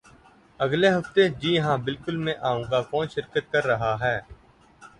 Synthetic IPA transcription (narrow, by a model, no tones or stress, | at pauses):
əɡleɦəft̪ed͡ʒiːɦãːbɪlkʊlmẽʔaːũːɡaːkɔːnʃɪɾkət̪̚kəɾːəɦaɦɛː